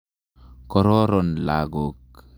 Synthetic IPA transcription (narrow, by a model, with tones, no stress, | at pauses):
kɔ˨ɾɔ˦ɾɔ˨nla̰ɡo˨k